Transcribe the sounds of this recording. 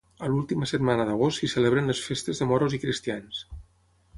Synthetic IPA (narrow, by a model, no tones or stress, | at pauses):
əlulˠt̪iməsət̪manəðəɣ̞ost̪sisəleβɾənləsfest̪əzðəmɔɾozikɾist̪ians